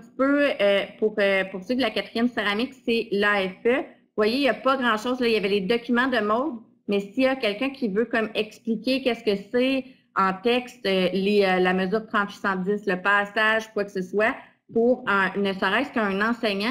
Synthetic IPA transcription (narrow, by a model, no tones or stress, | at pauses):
t̪i̥pøpuʁøpʊʁsøkd̪əlakat̪χijɛnseʁamɪksɛlaɛfœ | vwajejapʌɡʁɑ̃ʃɔʊzlʌijavɛled̪ɔkʲymɑ̃d̪əmɔd̪ | mɛsijakʲɛlkʲœ̃kʲivøkɔmɛksplikʲekʲɛskəsɛ | ɑ̃t̪ɛkst̪øleølaməzyːʁt̪χɑ̃t̪sisɑ̃d͡zɪsləpɑːsaʒkwaksəswa | puʁə̃nəsəʁɛɪskəə̃nɑ̃sɛɲã